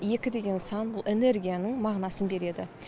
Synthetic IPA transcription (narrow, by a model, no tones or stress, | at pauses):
je̞kʲɪd̪e̞ɡʲe̞nsɑnbʊlˠene̞ɾɡʲijanəɴmɑʁnɑsənbe̞ɾe̞d̪ɪ